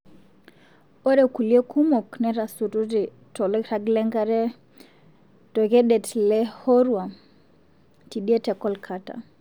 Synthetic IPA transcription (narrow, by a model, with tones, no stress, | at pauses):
ɔ˦ɾɛ˨ku˨li˦ɛ˦kʰu˦mɔ˨knɛ˦ɾa˨su˨tu˦ti˨ | tɔ˨lɛ˦ɾa˨ɡlɛ˦ŋɡa˦ɾɛ˦ | tɔ˨kɛ˦ɗɛ˨tlɛ˦hɔ˦ɾwa˨ | ti˨ɗi˦ɛ˦tɛ˨kɔ˦lkʰa˦ta̰˨